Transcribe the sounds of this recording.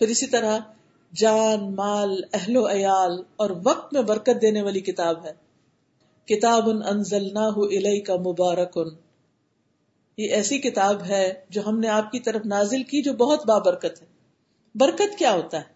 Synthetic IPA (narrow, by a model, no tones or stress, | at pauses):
pɪɾɪsit̪ɐɾa | d͡ʒaːnmaːlɛɦloɐjaːlɔːɾʋɐq̚t̪mẽbɐɾkət̪̚d̪eːneʋaːlikɪt̪aːbɦɛː | kɪt̪aːbʊnɐnzɐlnaːɦʊʔɪlɛɪkɐmʊbaːɾɐkʊn | jeʔɛːsikɪt̪aːbɦɛd͡ʒoːɦɐmneaːp̚kit̪ɐɾəfnaːzɪlkid͡ʒoːbɐɦʊt̪baːbɐɾkət̪ɦɛː | bɐɾkət̪kjaːɦoːt̪aɦɛː